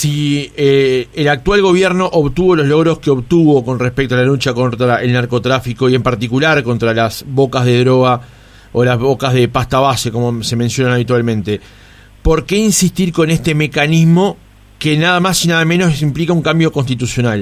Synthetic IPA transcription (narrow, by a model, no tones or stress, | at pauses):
sieelak̚t̪walɣo̞βjɛɾno̞ʔoβt̪uβo̞lo̞zlo̞ɣɾo̞skeo̞βt̪uβo̞ko̞nrehpek̚t̪oalalut͡ʃakont̪ɾae̞lnaɾkot̪ɾafiko̞ie̞mpaɾt̪ikulaɾko̞nt̪ɾalasβo̞kazðe̞ðɾo̞ɣ̞a | olazβo̞kazðe̞past̪aβase̞ko̞mose̞mensjo̞nanaβit̪walmẽ̞nt̪e̞ | po̞ɾke̞insist̪iɾko̞nest̪e̞me̞kanizmo̞ | kenaðamasinaðamenosimplikauŋkambjo̞ko̞nst̪it̪̬usjo̞nal